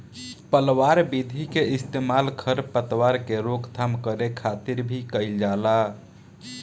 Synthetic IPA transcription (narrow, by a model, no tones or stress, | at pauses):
pəlʋaɾbid̪ʱikeɪst̪emalkʰəɾpət̪waɾkeɾokt̪ʰamkəɾekʰat̪iɾbʱikəɪld͡ʒala